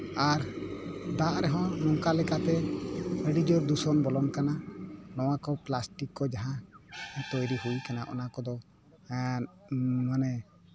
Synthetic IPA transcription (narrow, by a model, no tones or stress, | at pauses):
aɾd̪aʔɾɛɦɔ̃nɔŋkalɛkat̪ɛəɖid͡ʒɔɾd̪usɔnbɔlɔnkananɔw̃akɔplasʈikːɔd͡ʒaɦãt̪ɔjɾihujkanaʔɔ̰nakɔd̪ɔ | manɛ